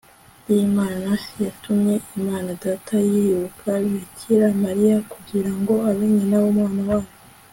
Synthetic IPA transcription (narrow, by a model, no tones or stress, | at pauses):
jimaːnanasijatumɲe̞ʔimaːnadatʰajiɾukʰaicʰiɾamaɾijakuɡɡiɾaŋɡo̞aβeɲenaβomŋaːnawaːjo